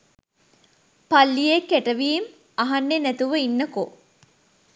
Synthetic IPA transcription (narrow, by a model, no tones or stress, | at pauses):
palːijekːæʈəʋiːm | aɦanːenæt̪uʋəinːɐko